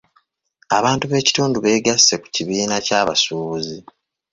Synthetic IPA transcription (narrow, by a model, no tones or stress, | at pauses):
aβaːntuβe̞ːci̥tuːnduβe̞ːɡasːe̞ku̥ciβiːnacaːβa̰suːβuzi